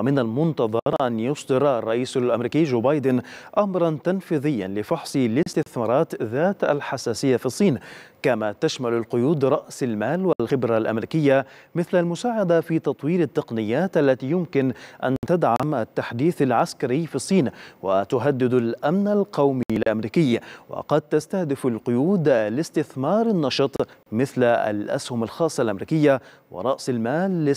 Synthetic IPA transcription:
wamɪnalmʊnt̪ɑðˤɑɾˤʔanjʊsˤd̪ɨɾɑrˤːɑʔiːsalʔamɾiːkiːd͡ʒoːbɑːjd̪ɪnʔamɾˤɑnt̪anfiːðɪjːa̰nlɪfɑħsˤɨlɪst̪ɪθmɑːɾˤɑːt̪ðaːt̪a̰lħasaːsɪjːafisˤːiːnkamat̪aʃmalalqʊjuːd̪ɾˤɑʔsalmaːlwalxɪbɾalʔa̰mɾiːkɪjːamɪθlalmʊsaːʕad̪afiːt̪ɑt̪ˤwiːɾat̪ːɪqnɪjːaːt̪ʔalːat̪iːjʊmkɪnʔa̰nt̪ad̪ʕamʔat̪ːaħd̪iːθalʕaskaɾɪjːfisˤːiːnwat̪ʊɦad̪ːɪd̪alʔamnalqɑwmilʔamɾiːkɪjːwɑ̰qɑd̪̚t̪ast̪ahd̪ɪfalqʊjuːd̪lɪst̪ɪθmɑːɾˤɪnːɑʃɨt̪ˤmɪθla̰lʔa̰shʊmalxɑːsˤːɑlʔamɾiːkɪjːa | wɪ̰ɾˤɑʔsalmaːlːɪ

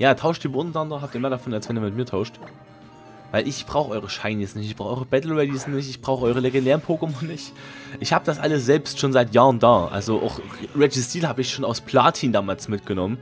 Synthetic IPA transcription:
jaːtʰaʊʃtiːbʊnnandɐɦaːp̚tiːɐmeːɐdafɔnalsv̥ɛniɐmɪtmiːɐtʰaʊʃt | vaɪlɪçb̥ʁaʊxəʔɔʏʁəʃaɪnjɛsnɪçtɪçb̥ʁaʊɔʏʁəbɛtl̩ʁɛdisnɪçtɪçb̥ʁaʊxəʔɔʏʁəleɡɛndɛːʁənpʰoːɡəmɔnːɪçtʔɪçhaːbəd̥asʔa̰ləsz̥ɛlpstʃoːnzaɪtjaːʁəndaːʔa̰lzoʔa̰ʊxʁɛd͡ʒisd̥iːlhaːbəɪçʃoːnaʊspʰl̥aːɐtʰiːndaːmaːlsmɪtɡ̥ənɔmən

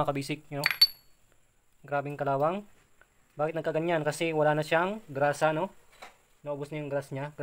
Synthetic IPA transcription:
ɐkɐbiːsɪk̚no | ɡɾaːbɛŋkɐlaːwɐŋ | baːkɪt̪nɐɡkːɐɡɐɲankɐsɛwɐlaːnɐʃaŋɡɾaːsɐno̞ | nɐʔoːbʊsɲɐjʊŋɡɾasɲaɡ

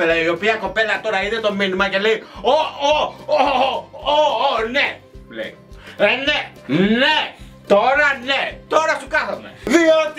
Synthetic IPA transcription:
elaiopiɐkopelɐt̪oɾainet̪ominimɐceleiooooone | lḛi | nenet̪oɾɐnet̪oɾɐsukɐθɐmḛðiot̪

